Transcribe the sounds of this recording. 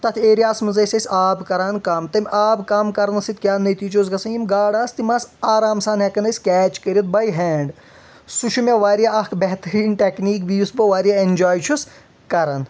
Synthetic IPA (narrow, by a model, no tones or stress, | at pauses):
t̪ɐt̪ʰeːɾijaːsmɨzɐsʲɐsʲaːbkɐɾaːnkaːmt̪ɐmʲʔaːbkaːmkɐɾɐnɐsit̪̚ʲkʲjaːnɐt̪iːt͡ʃoːzɡɐsɐnjimɡaːɽaːst̪imasaːɾaːmsaːnɦɛkɐnɐsʲkɛːt͡ʃkəɾʲjɐt̪̚bɐjɦɛːɳɖ | suʃʰumʲɐʋaːɾijaɐkbɛɦt̪ɐɾiːnʈekniːkbiːusbɐʋaːɾjaenʲd͡ʒaːjt͡ʃʰus | kɐɾɐn